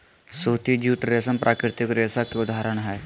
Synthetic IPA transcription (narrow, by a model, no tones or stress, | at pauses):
suːt̪id͡ʒuːʈɾesənpɾʔaːkɾɪt̪ɪkɾesakeʊd̪ʱaːɾəɳɦɛː